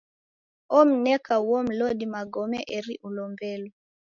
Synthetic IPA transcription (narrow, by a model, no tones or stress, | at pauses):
ɔm̩nɛkauwɔm̩lɔɗimaɡɔmɛʔɛɾiʔulɔmbɛlɔ